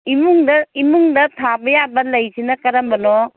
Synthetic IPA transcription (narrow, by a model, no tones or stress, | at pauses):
imuŋdɐimuŋdɐtʰabɐjabɐlɐjsinɐkɐɾɐmbɐno